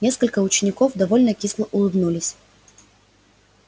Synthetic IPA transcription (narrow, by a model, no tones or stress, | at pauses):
nʲe̞skəlʲkəʊt͡ɕɪnʲɪkofd̪ɐvolʲnəkʲislˠəʔʊlˠɨbnulʲɪsʲ